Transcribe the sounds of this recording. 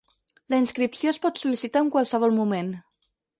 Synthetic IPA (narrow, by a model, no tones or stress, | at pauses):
ləinskɾipsiospɔt̪sulisit̪aəŋkwalˠsəβ̞ɔlˠmumen